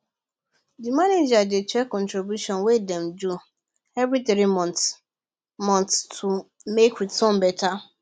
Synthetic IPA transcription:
dimaned͡ʒad͡ʒet͡ʃɛkɔ̃ntɾibjuʃɔ̃nwedɛmd͡ʒu | ɛvɾit̪ɾimɔ̃nt | mɔ̃nttʰu | mekitɔ̃mbɛta

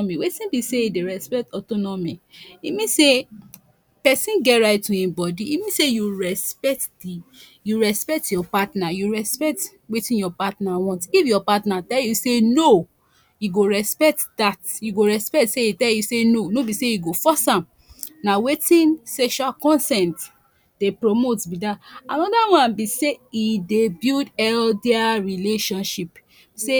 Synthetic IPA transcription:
miwetĩbiseideɹɛspɛk̚tɔtɔnɔmiimĩse | pɛsĩnɡɛɾaɪttuĩbɔdiimĩnsejuɹɛspɛk̚tdi | juɹɛspɛk̚tjɔpatnajuɹɛspɛt | wetĩjɔpatnawɔ̃ntifjɔpatnatɛljuseno | juɡoɹɛspɛk̚tdatjuɡoɹɛspɛtseitɛljusenonobiseiɡofɔsãm | nawetĩnsɛʃualkɔ̃nsɛ̃nt | d̥epɹomotbidaanɔdawãnbiseidebidɛldeaɹileʃɔ̃nʃip | ise

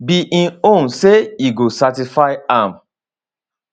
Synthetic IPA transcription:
biʔĩnõnseiɡosatifaɪãm

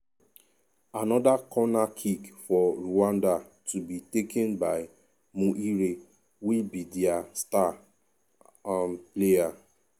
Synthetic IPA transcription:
anɔdakɔnakʰikfɔɾuãnda | tubitekɛ̃nbaɪ | mũʔiɾe | wilbidiasta | ampleja

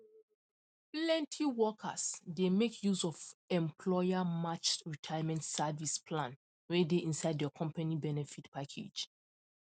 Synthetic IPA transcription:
plɛ̃ntʰiwɔkʰa̰sdemekʰjusɔfɛ̃mpʰlɔɪamat͡ʃɹitʰajmɛ̃ntsavispʰlãn | wedeʔĩnsaɪddɛkʰɔ̃mpanibɛnɛfitpʰakʰḛd͡ʒ

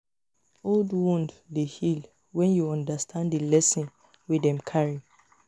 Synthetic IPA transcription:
oldwũndlehil | wɛ̃njuɔ̃ndastʰãndilɛsɔ̃n | widɛ̃mkʰaɹi

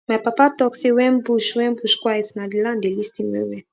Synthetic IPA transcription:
mapapat̪ɔksiwɛ̃mbuʃwɛ̃mbuʃkʷaet̪nadilãnd̪elist̪imwḛ̃wɛ̃

